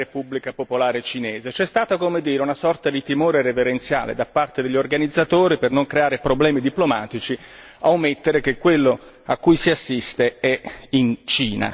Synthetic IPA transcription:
epubːlikapopolaːɾet͡ʃinɛːzet͡ʃɛst̪aːt̪akomed̪iːɾeunasɔrt̪ad̪it̪imoːɾeɾeveɾent̪sja̰ːlḛd̪apːart̪ed̪eʎːorɡanid̪zːat̪oːɾipernoŋkɾeaːɾepɾoblɛːmid̪iplomaːt̪it͡ʃi | awmet̪ːeɾek̟ekːwelːo | akːujsiasːist̪eɛint͡ʃiːna̰

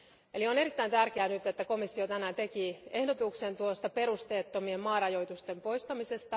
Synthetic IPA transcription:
elione̞ɾit̪ːæint̪ærkeænyt̪ːet̪ːæko̞misːiot̪ænæːnt̪e̞kie̞hdot̪uksent̪uost̪ɑpe̞rust̪eːt̪ːomiemmɑːrɑjo̞it̪ust̪empo̞jst̪ɑmise̞st̪ɑ

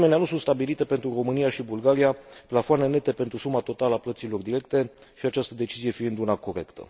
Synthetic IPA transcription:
meneanusunt̪st̪abilit̪e̞pe̞nt̪ɾuro̞mɨnijaʃibulɡaɾiaplafoane̞ne̞t̪e̞pe̞nt̪ɾusumat̪o̞t̪aləaplət̪silo̞rd̪iɾe̞kt̪e̞ | ʃiat͡ʃast̪əd̪e̞t͡ʃizije̞fiɨnd̪unako̞ɾe̞kt̪ʰə̰

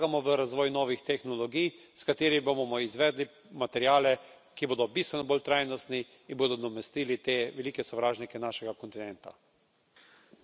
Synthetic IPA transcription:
ɡamɔʋəɾazʋɔːjnɔːʋixt̪ɛxnɔlɔɡijskat̪eːɾibobomɔizʋɛːd̪li | mat̪ɛɾjaːlɛ | kiboːd̪ɔbist̪ʋɛnɔboːlt̪ɾaːjnɔst̪ni | inboːd̪ɔd̪ɔmɛst̪iːlit̪eːʋɛliːkɛsɔʋɾaːʒnikɛnaːʃɛɡakɔnt̪inɛnt̪a̰

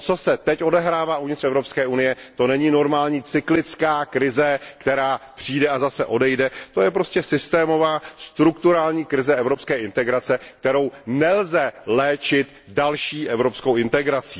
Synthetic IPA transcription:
t͡so̞sɛt̪ɛcʔo̞dɛɦɾaːvaːʔuvɲɪt̪rɛvɾo̞pskɛːʔunɪjɛt̪o̞nɛɲiːno̞ɾmaːlɲiːt͡sɪklɪt͡skaːkɾɪzɛkt̪ɛɾaːpr̝̥iːdɛazasɛʔo̞dɛjdɛt̪o̞jɛpɾo̞scɛsɪst̪ɛːmo̞vaːst̪ɾukt̪uɾaːlɲiːkɾɪzɛɛvɾo̞pskɛːʔɪnt̪ɛɡɾat͡sɛkt̪ɛɾo̞wnɛlzɛlɛːt͡ʃɪt̪ | dalʃiːʔɛvɾo̞pskowɪnt̪ɛɡɾat͡siː

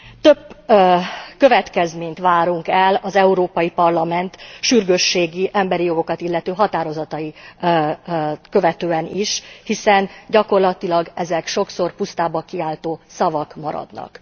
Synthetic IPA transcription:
t̪øb | kø̞vɛt̪kɛzmeːɲt̪ʋaːɾuŋkɛlɒzɛuɾoːpɒjipɒrlɒmɛnt̪ʃyrɡøʃːeːɡiʔɛmbɛɾijo̞ɡo̞kɒt̪ilːɛt̪øːɦɒt̪aːɾo̞zɒt̪ɒji | kø̞vɛt̪øːɛniʃhisɛnɟɒko̞rlɒt̪ilɒɡɛzɛkʃo̞kso̞rpust̪aːbɒkiaːlt̪oːsɒvɒkmɒ̰ɾɒ̰d̪nɒ̰k

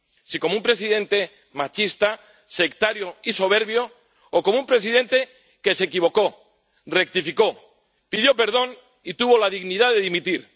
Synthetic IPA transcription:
siko̞moumpɾe̞s̬iðẽ̞nt̪e̞ | mat͡ʃist̪a | se̞kt̪aɾjoiso̞β̞e̞ɾβjoː | komoumpɾe̞s̬iðe̞nt̪e̞ | ke̞se̞kiβ̞o̞ko̞ | re̞k̚t̪ifiko̞ | piðjo̞pe̞ɾð̞o̞n | it̪uβo̞laðiɣniðaðe̞ðimit̪iɾ

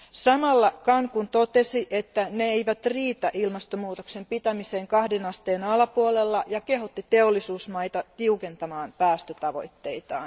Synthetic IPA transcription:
sɑmɑlːɑkɑŋkunt̪ot̪e̞siʔet̪ːæneeijʋæt̪riːt̪æʔilmɑst̪omuːt̪okse̞mpit̪æmise̞ːŋkɑhdenɑst̪eːnɑlɑpuole̞lːɑjɑke̞ɦot̪ːit̪e̞olːisuːsmɑjt̪ɑt̪iuke̞nt̪ɑmɑːnpæːst̪øt̪ɑʋo̞jt̪ːe̞jt̪ɑ̰ːn

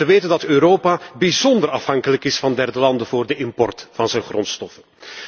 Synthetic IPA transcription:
əʋeːtəndɑtøːɾoːpaːbizɔndərɾɑfɦɑŋkələkɪsfɑndɛrdəlɑndəvʊːrdəʔɪmpɔrtfɑnzɛnχrɔnstɔfə

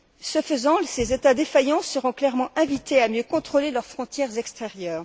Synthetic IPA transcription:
səfəzɑ̃lsezet̪ad̪efajɑ̃səʁɔ̃klɛʁmɑ̃ʔɛ̃vit̪eamjøkɔ̃t̪χolelœʁfχɔ̃t̪jɛʁzɛkst̪eʁjœːʁ

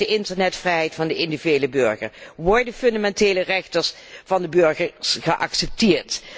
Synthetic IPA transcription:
əʔɪntəɹnɛtfrɛjɦɛjtfɑndəʔɪndivyejləbøɹχə̰ɹʋɔɹdənfɵndamɛnteːlərɛχtəɹs | vɑndəbøɹχəɹsχəʔɑ̰ksɛp̚tɪːɹt

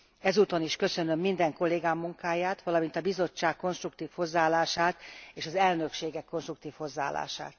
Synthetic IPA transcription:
ɛzuːt̪o̞niʃkø̞sø̞nø̞mːind̪ɛŋko̞lːeːɡaːmːuŋkaːjaːt̪ʋɒlɒmint̪ɒbizo̞t͡ʃːaːkːo̞nʃt̪rukt̪iːfho̞zːaːlːaːʃaːt̪eːʃɒzɛlnø̞kʃeːɡɛkːo̞nʃt̪rukt̪iːfho̞zːaːlːa̰ːʃa̰ːt̪

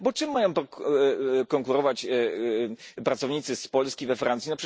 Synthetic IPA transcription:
bɔt͡ʂɨmːajɔ̃w̃t̪ɔ | kɔŋkuɾɔvat͡ɕ | pɾat̪sɔvɲit̪sɘspɔlskʲivɛfɾʔant̪sʲinapʂ

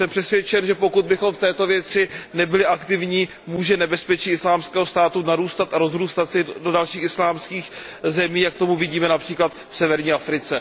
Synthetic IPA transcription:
sɛmpr̥ɛsvjɛt͡ʃɛnʒɛpo̞kud̪̚bɪxo̞mft̪ɛːt̪o̞vjɛt͡sɪnɛbɪlɪʔakt̪ɪvɲiː | muːʒɛnɛbɛspɛt͡ʃiːɪslaːmskɛːɦost̪aːt̪unaɾuːst̪at̪aɾo̞zɾuːst̪at̪sɪdo̞dalʃiːxɪslaːmskiːx | zɛmiːjak̚t̪o̞muvɪɟiːmɛnapr̝̥iːklat̪fsɛvɛɾɲiːʔafɾɪt͡sɛ

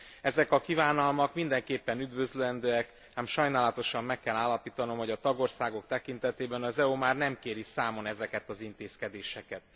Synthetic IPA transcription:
ɛzɛkɒkivaːnɒlmɒkmind̪ɛŋkeːpːɛnyd̪vø̞zløɛnd̪øːɛk | aːmʃɒjnaːlɒt̪o̞ʃɒmːɛkːɛlaːlːɒpiːt̪ɒno̞mho̞ɟɒt̪ɒɡo̞rsaːɡo̞k̚t̪ɛkint̪ɛt̪eːbɛnɒzɛumaːrnɛmkeːɾisaːmo̞nɛzɛkɛt̪ɒzint̪eːskɛd̪eːʃɛkɛt̪̚

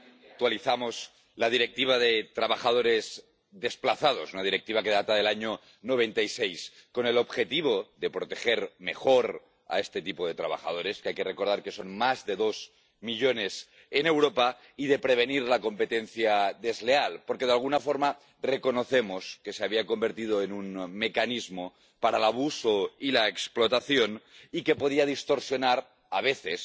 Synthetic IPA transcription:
ak̚t̪waliθamo̞z | laðiɾe̞k̚t̪iβ̞aðet̪ɾaβaxað̞o̞ɾe̞z | ðe̞splaθað̞o̞sunaðiɾe̞k̚t̪iβake̞ðat̪aðe̞laɲo | no̞β̞e̞nt̪aisejsko̞ne̞lo̞βxe̞t̪iβ̞o̞ðe̞pɾot̪e̞xe̞ɾme̞̰xo̞ɾ | a̰e̞st̪e̞t̪ipo̞ðe̞t̪ɾa̰β̞a̰xa̰ð̞o̞ɾe̞skeajke̞re̞ko̞ɾð̞aɾke̞so̞nmazðe̞ðo̞z | miʎo̞ne̞s | ene̞wɾopa | iðepɾe̞β̞eniɾlako̞mpe̞t̪enθjaðe̞zlealpoɾkeðalɣunafo̞ɾma | reko̞no̞θemoske̞seaβiako̞mbe̞ɾt̪ið̞oenunme̞kanizmo | paɾalaβ̞usoilaeksplo̞t̪aθjonike̞po̞ð̞iað̞ist̪o̞ɾsjo̞naɾ | aβ̞eθes

